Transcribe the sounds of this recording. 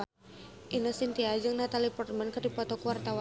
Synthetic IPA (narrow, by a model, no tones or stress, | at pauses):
ʔinosint̪iad͡ʒɨŋnat̪alipɔrt̪̚mankɨrdipɔt̪ɔkuwart̪awa